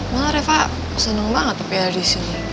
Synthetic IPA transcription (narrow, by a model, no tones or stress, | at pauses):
maaɾɛfaʔ | sənəŋmaŋat̪əpiaɾisin